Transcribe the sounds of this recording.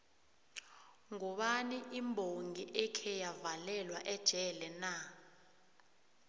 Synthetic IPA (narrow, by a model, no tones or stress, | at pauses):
ŋɔɓaniʔimbʱoŋɡiʔɛkʰɛjavalɛlwaʔɛd̥ʒ̥ʱɛlɛna